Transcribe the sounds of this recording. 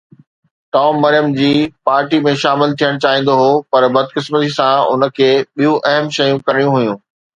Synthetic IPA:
ʈaːmːɐɾijəmd͡ʑiːpaːɾʈimẽʃaːmɪlt̪ʰijəɽ̃t͡ɕaːɦĩːn̆d̪oɦoːpɐɾbɐd̪̚kɪsmət̪isãʊ̰nə̆kʰeːɓijũʔɐɦəmʃɐjũkɐɾɪɽijũɦʊjũː

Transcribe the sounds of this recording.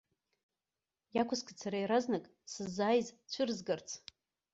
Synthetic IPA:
jakʷʰʊskʷʰat͡sʰaɾajɾaznakʼ | sɨzːaːjzt͡ɕʷʰʊrzɡɨrt͡sʰ

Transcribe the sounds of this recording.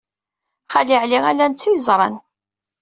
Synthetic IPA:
χaliʕliʁælːænt͡sːijzˤɾˤɑ̰n

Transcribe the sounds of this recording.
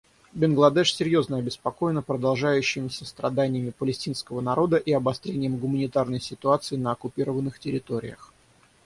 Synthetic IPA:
bʲɪnɡlˠɐd̪ɛʂsʲɪɾʲjo̞znəɐbʲɪspɐko̞jɪnəpɾəd̪ɐlˠʐajʉɕːɪmʲɪsʲəst̪ɾɐd̪anʲɪjəmʲɪpəlʲɪsʲtʲinskəvənɐɾo̞d̪əʔiɐbɐst̪ɾʲenʲɪjəmɡʊmənʲɪt̪arnəjsʲɪt̪ʊat̪sɨɪnəɐkʊpʲiɾəvənːɨxtʲɪɾʲɪt̪o̞ɾʲɪ̰jə̰x

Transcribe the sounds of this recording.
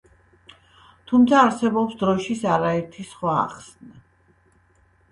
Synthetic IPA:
t̪ʰumt̪sʰaːɾsɛbɔpsd̪ɾɔʃisaɾaɛɾt̪ʰisχwa̰ːχsna

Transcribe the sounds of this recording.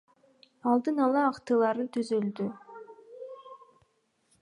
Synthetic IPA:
ɑlˠd̪ɯnɑlˠɑɑqt̪ɯlˠɑɾnɯt̪ʰyzylʲd̪y

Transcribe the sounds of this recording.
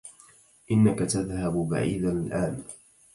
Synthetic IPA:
ʔɪnːakat̪aðhabʊba̰ʕḭːd̪alʔaːn

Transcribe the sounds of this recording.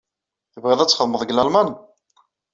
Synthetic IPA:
θəvʁeðˤæt͡sːχəðˤməðˤɡlælmæn

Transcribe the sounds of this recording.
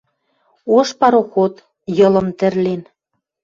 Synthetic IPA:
oʃpɑɾoxot̪ | jɤ̆lɤ̆mt̪ɘ̆rlen

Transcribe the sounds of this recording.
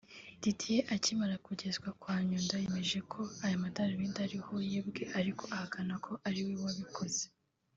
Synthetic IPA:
titʰijeʔacimaɾakuɟe̞zɡwakwaːɲundaje̞me̞ʒe̞kʰo̞ajamataɾiβindaɾiho̞jebɡe̞ʔaɾiko̞ahakʰanakʰo̞ʔaɾiwiwaβikʰo̞ze

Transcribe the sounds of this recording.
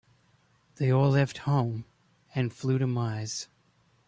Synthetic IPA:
ðeɪɔlɛft̚hõʊ̃m | ɨ̃nflʉɾɨmaɪz̥

